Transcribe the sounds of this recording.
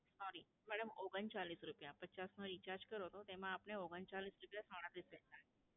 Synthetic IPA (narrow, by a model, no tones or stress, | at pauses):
sɔɾi | mæɽəmoɡənt͡ɕaliːsɾupjapət͡ɕasnɔɾit͡ɕaɾd͡ʑkəɾot̪ot̪em̤ãːpɳeoɡənt͡ɕaliːsɾupjasəɽ̃ãt̪ɾiːsɾenae